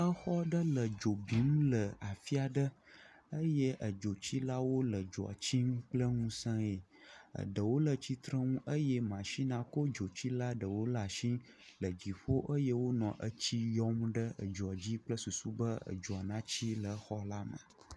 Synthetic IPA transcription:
ə˦xɔ˦ɖə˦lə˨d͡ʒo˨bi˨˦m˦lə˨a˨fi˦a˨ɖə˦ | ə˦je˦ʔə˨d͡ʒo˨t͡ɕi˦la˦wo˦lə˨d͡ʒo˨a̰˨t͡ɕi˦m˦k͡plə˦ŋũ˦sə̃˦e˨ə̰˨ɖə˨wo˦lə˨t͡ɕi˦t̪ɾə˦ŋũ˦ʔə˦jɛ˦mã˨ʃi˦nã˨ko˦d͡ʒo˨t͡ɕi˦la˦ɖə˨wo˦la˨ʃĩ˦ | lə˨d͡ʑi˨ɸo˦ʔə˦je˦wo˦nɔ̃˨ʔə˦t͡ɕi˦jɔ˦mɖə˦ə̰˨d͡ʒo˨a˨d͡ʑi˦k͡plə˦su˨su˦bə˦ə̰˨d͡ʒo˨a˨nã˦t͡ɕi˦lə˨˦xɔ˦la˦mə̰̃˨

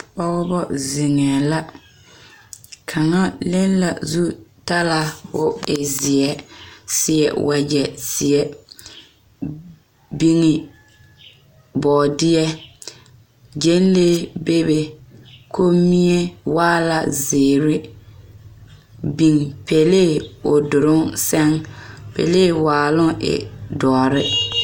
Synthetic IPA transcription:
ɔ˦ɣbɔ˦zɪ˨ŋɛ˨la˦ | kʰa˨ŋa˦le˦nla̰˨zu˦ta˦la˨hʊ˦ɪ˨zɪ˨ɛ˦sɪ˦ɛ̰˨wʔa˨d͡ʒɛ˨sɪ˨ɛ˦ | bi˦ŋɪ˨ | bɔː˨dɪ˦ɛ˦ | d͡ʒe˦n˦leː˦be˦be˨kʰo˦mi˦ɛ˦waː˦la˨zɪː˨ɾɪ˦ | bi˨ŋpʰe˨leː˦˨ʊ˨dʊ˨ɾʊ˦ŋsɛ˦ŋpḛ˨leː˦˨waː˨lʊ˦ɪ̰˨dɔː˨ɾɪ˦

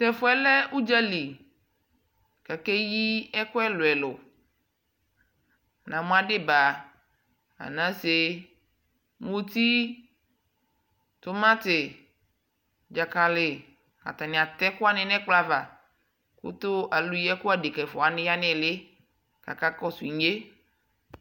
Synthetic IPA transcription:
t̪ɛ˨fɔ˦ɛ˦lɛ˦u˦d͡ʒɛ˦li˨ | kɛ˨kɛ˦ji˦ɛ˦kʊ˦ɛ˦lo˨ɛ˨lʊ˨ | nã˨mõ˦a˨ɖɪ˦ba˨ | a̰˨nã˦se˨ | mõ˦t̪i˦ | t̪ʊ˦mã˦t̪ɪ˨ | d͡ʒa˨ka˨lɪ˨ | ka̰˨t̪a˨nɪ̃˨a˨t̪ɛ˦kʊ˦a˦nɪ̃˨nɛ̃˦k͡pla˦va˨ | kṵ˦t̪ʊ˦ʔa˨lu˦jɛ˦ku˦a˨de˨kɛ˨fɔ˨a˨nɪ̃˦ja˦nɪ̃˦˨lɪ˦ | ka̰˨ka˦kɔ˦su˨i˨ɲe˦

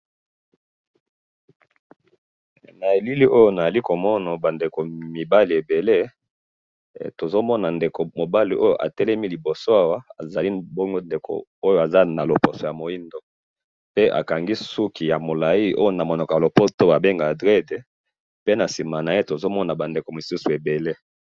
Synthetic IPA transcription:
na˨e˨li˦li˦ʔo˦jo˦na˨a˨li˦ko˨mɔ˦na˨ba˨nde˨ko˨mi˨ba˦li˨e˨be˨le˦ | to˨zo˦mɔ˦na˨nde˨ko˨mo˨ba˦li˨ʔo˦jo˨ʔa̰˨tɛ˦lɛ˦mi˦li˨bo˨so˦a˦wa˦a̰˨za˨li˦bo˦ŋɡo˦nde˨ko̰˨o˦jo˨a˨za˦na˨lo˨po˨so˨ja˨mo˨i˦ndo˦ | pe˦ʔa̰˨ka˨ŋɡi˦su˦ki˨ja˨mo˨la˨i˦ʔo̰˦jo˨na˨mo˨nɔ˨kɔ˨ja˨lo˨po˦to˦a˨be˦ŋɡa˨dʁe˦de˨ | pe˦na˨si˨ma˨na˨je˦to˨zo˦mɔ˦na˨ba˨nde˨ko˨mi˨su˦su˨e˨be˨le˦

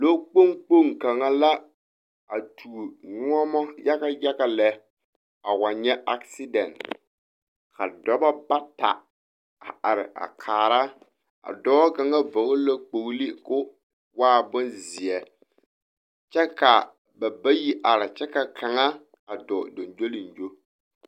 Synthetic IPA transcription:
lo˦k͡po˦ŋk͡po˦ŋka˨ŋa˦la˦ | a˨tʰu˨nʊ˦ɔ˦mɔ˦ja˦ka˦ja˦ka˨lɛ˨ | a˨wa˨ɲɛ˦a˦ksi˦dɛ˨n | kʰa˨dɔ˦ba˦ba˦ta̰˨ | a̰˨ʔa˨ɾɪ˨ʔa̰˨kʰaː˨ɾa˦ | a̰˨dɔː˦ka˨ŋa˦vo˨ɣʊ˦la˦k͡po˨ɣli˦kʊ˦ | waː˦bʊ˦nzɪ˨ɛ˨ | t͡ʃɛ˦ka˨ | ba˨ba˦ji˦ʔa˨ɾɪ˨t͡ʃɛ˦ka˨kʰa˨ŋa˦ | a˨dɔ˨do˨nd͡ʒo˦li˨nd͡ʒo˦

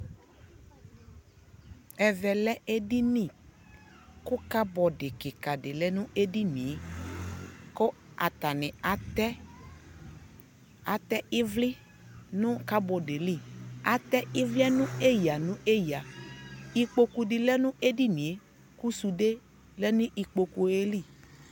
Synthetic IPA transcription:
ɛ˨vɛ˨lɛ˦e˦di˦nĩ˦˨ | kʊ˦ka˦bɔ˨ɖɪ˨kɪ˨ka˨ɖɪ˨lɛ˦nʊ̃˦ʔe˦di˦nĩ˨e˦ | ko˦ | a˨t̪a˨nɪ̃˨a˨t̪ɛ˦ | a˨t̪ɛ˦ɪ˦vlɪ˦ | nʊ̃˦ka˦bɔ˨de˨li˦˨a˨t̪ɛ˦ɪ˦vli˦ɛ˦nʊ̃˦e˦ja˨nʊ̃˦e˦ja˨ | i˦k͡po˦ku˨dɪ˨lɛ˦nʊ̃˦ʔe˦di˦nĩ˨e˦ | ku˦su˨ɖe˦ | lɛ˦nʊ̃˦ʔi˨k͡po˨ku˨e˦li˦˨

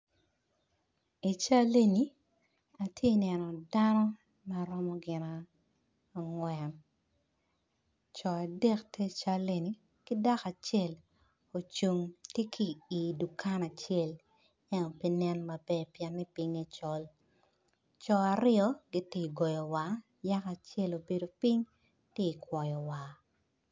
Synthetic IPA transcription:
i˨t͡ʃa˦le˦ni˦ | a˨tʰje˦i˨nɛ˨nɔ˨da˦nɔ˦ | ma˨ɾɔ˦mɔ˦ɡɪ˨na˨ | ŋwɛ˨n | t͡ʃɔ˨a˨dɛ˦ktʰe˦t͡ʃa˦le˦ni˨˦ | kɪ˦da˦ka˨t͡ʃɛ˦˨l | o˨t͡ʃu˨ŋtje˦kʰiː˨du˨ka˦na˨t͡ʃɛ˦˨l | ɛ˦no˨pi˦nɛ˦nmɐ˨bɛ˦pjɛ˨nːɛ˦pi˦ŋɛ˦t͡ʃɔ˦l | t͡ʃɔ˨a˨ɾɪ˦ɔ˦ɡi˦ti˦˨ɡɔ˨jɔ˨wa˨ | ja˦ka˨t͡ʃɛ˦lo˨be˨do˨pi˦ɲ | tɪ˦i˨kwɔ˨jɔ˨wa˨

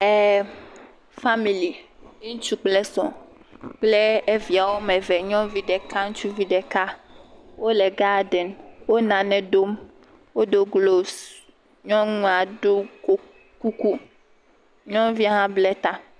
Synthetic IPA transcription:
ɛ˨ | fa˦mi˨li˨e˦ŋũ˦t͡ʃu˦k͡plɛ˦sɔ̰̃˨ | k͡plɛ˦e˦vi˨a˨wo˦mɛ̃˨vɛ˨ɲɔ̃˦vi˦ɖɛ˨ka˦ŋũ˦t͡ʃu˦vi˦ɖɛ˨ka˦wo˦lɛ˨ɡa˦ɖɛ˨nwo˦nã˨nɛ̃˦ɖo˦m | wo˦ɖo˦ɡlo˦s | ɲɔ̃˦ŋũ˦a˨ɖo˦ko˦ | ku˦ku˦ | ɲɔ̃˦vi˦a˦ɦã˦blɛ˦t̪a˦

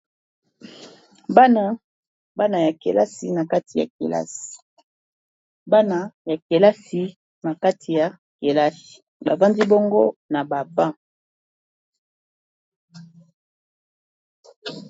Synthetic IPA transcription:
ba˦na˦ | ba˦na˨ja˨ke˨la˦si˨na˨ka˦tʰi˨ja̰˨kḛ˨la̰˦si̥˨ | ba˦na˦ja˨ke˨la˦si˨ | na˨ka˦tʰi˨ja˨ | ke˨la˦si̥˨ | ba˨va˦ndi˦bo˦ŋɡo˦na˨ba˨bã˦

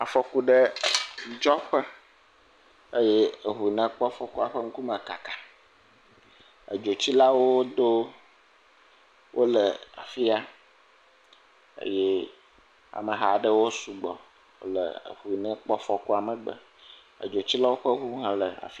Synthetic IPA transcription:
a˨fɔ˨ku˦ɖə˦ | d͡ʒɔ˦ɸə˦ | e˦jɛ˦˨ɦu˨nə̃˨k͡pɔ˦fɔ˨ku˦a˨ɸə˦ŋ̩˦ku˦mə̃˨ka˨kḁ˨ | ə˨d͡ʒo˨t͡ɕi˦la˦wo˦d̪o˦ | wʔo˦lə˨a̰˨fi˦a˦ | ḛ˦jɛ˦ | a̰˨mə̃˨ɦa˨ɖə˦wo˦su˨ɡ͡bɔ˨ | wo̰˦lə̰˨ə̰˨ɦu˨nɛ̃˦k͡pɔ˦fɔ˦ku˦a˨mə˨ɡ͡bə̰˨ | ə̰˨d͡ʒo˨t͡ɕi˦la˦wo˦ɸə˦ɦu˦ɦã˦lə˨a̰˨fi˦

